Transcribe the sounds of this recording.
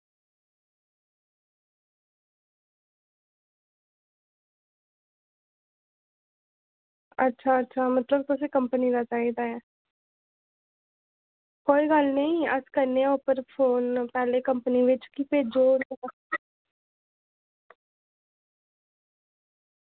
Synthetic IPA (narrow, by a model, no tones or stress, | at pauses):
ətːʃʰaːətːʃʰaːmət̪ləb̚t̪ʊseːkəmpənid̪at͡ʃaːiːd̪aːɛː | koːiːɡəlnəĩəskəɾneaʊpəɾpʰoːnpɛːleːkəmpəniʋɪt͡ʃkipeːd͡ʒoːɾa